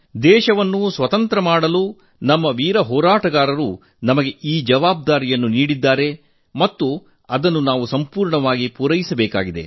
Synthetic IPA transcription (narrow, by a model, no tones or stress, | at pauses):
d̪ɛːʃɐʋɐnːusʋɐt̪ɐnt̪ɾɐmaːɽɐlu | nɐmːɐʋiːɾɐɦɔːɾaːʈɐɡaːɾɐɾu | nɐmɐɡe̞ʔiːd͡ʒɐʋaːb̚d̪aːɾijɐnːuniːɽid̪ːaːɾe̞ | mɐt̪ːu | ɐd̪ɐnːunaːʋusɐmpuːɾɳɐʋaːɡipuɾɐjisɐbɛːka̰ːɡid̪e̞̰